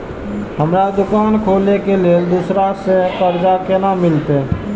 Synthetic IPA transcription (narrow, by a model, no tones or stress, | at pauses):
ɦəmɾad̪ʊkaːnkʰoːlekeled̪usɾasekəɾd͡ʒakenamːɪlt̪e